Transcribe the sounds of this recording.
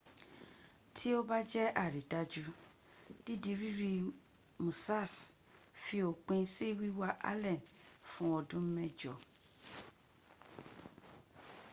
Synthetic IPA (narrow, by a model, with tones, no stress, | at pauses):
tʰi˦o˦ba˦d͡ʒɛ˦ʔa˨ɾi˨da˦d͡ʒu˦ | d̥i˦di˨ɾi˦ɾi˨ | mũ˨sa˦˨s | fi˦o˨k͡pẽ˦si˦wi˦wa˦ʔa̰˦lɛ˨nfũ˨ɔ˨dũ˦m̩˦mɛ˦d͡ʒɔ˨